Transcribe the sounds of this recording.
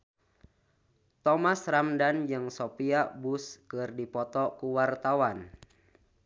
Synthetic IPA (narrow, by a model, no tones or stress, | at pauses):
t̪ɔmasramdand͡ʒɨŋsopiabuskɨrdipɔt̪ɔkuwart̪awan